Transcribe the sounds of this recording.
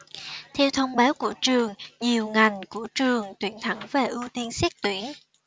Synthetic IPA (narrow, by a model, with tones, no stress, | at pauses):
t̪ʰɛ˧wt̪ʰə˧wŋ͡mɓaː˨˦wkṵ˧˩ət͡ɕɨ˨˩əŋɲi˨˩əwŋa˨˩jŋ̟ku˧˩ət͡ɕɨ˨˩əŋt̪wḭ˧˩ənt̪ʰə˧˩ŋve˨˩ʔɨ˧wt̪i˧ənsɛ˦˥k̚t̪wi˧˩ən